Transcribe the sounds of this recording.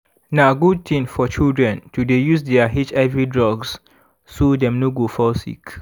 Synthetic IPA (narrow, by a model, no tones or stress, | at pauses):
naɡud̚t̪ĩnfɔt͡ʃildɹɛ̃ntudejusdɛaɦit͡ʃavɹidɹɔɡs | sodɛ̃mnoɡofɔsḭk